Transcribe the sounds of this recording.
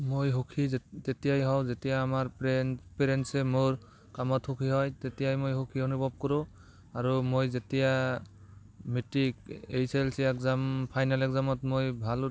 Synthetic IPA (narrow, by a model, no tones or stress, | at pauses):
mojɦokʰitetijajɦɔwzetijaːmaɹppeɾensɛmoɹ | kamɔtʰhukʰiɦɔjtetijajmojɦokʰionubʱɔb̚kɔɾũ | aɹumojzetija | mitikejselsiɛkzampʰajnalɛkzamɔtmojbʱal